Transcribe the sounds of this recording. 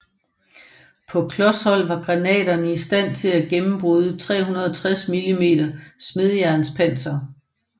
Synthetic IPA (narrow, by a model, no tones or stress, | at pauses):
pʰɒ̽kʰlɒ̽shɒ̽l̰ʋɑ̈ɡ̥ʁɑ̈nɛ̰ːdɐnəisd̥æn̰t͡sʰe̝læɡ̥emm̩b̥ʁuːð̞ˠət͡sʰʁɛ̰ːɦunɐð̞ˠɒt͡sʰʁasmilime̝̰ːɾ̥ɐsme̝ð̞ˠjæɐnspʰæn̰sɐ